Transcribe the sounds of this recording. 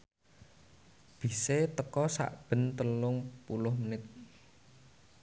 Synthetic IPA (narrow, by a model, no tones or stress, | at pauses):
b̥i̤set̪əkɔsa̰ʔb̥ə̤nt̪əlʊŋpulʊhmənɪt̪̚